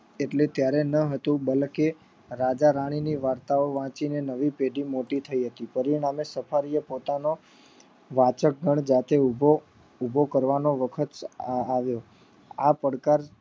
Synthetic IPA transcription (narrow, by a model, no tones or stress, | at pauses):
eʈlet̪jaɾenəɦət̪ũbəlke | ɾad͡ʒaɾaɽ̃iniʋaɾt̪aoʋãt͡ʃinenəʋipeɖimoʈit̪ʰəiɦət̪ipəɾiɽ̃amesəfʰaɾijepot̪ano | ʋat͡ʃək̚ɡʱəɳ̃d͡ʒat̪ebo | ubʱokəɾʋanoʋəkʰət̪aʋjo | apəɽkaɾ